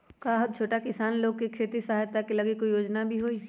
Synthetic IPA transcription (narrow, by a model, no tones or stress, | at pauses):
kaːɦʊt̪̚t͡ʃʰoːʈakɪsaːnloːɡkekʰeːt̪isɐɦajt̪akelɐɡikojoːd͡ʒnabʱiɦoːi